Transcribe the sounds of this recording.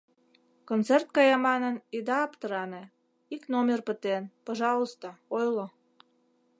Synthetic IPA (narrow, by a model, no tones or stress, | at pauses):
kont͡sert̪̚kɑjɑmɑnənid̪ɑːpt̪əɾɑne | iknomʲerpət̪enpoʒɑlˠost̪oojlo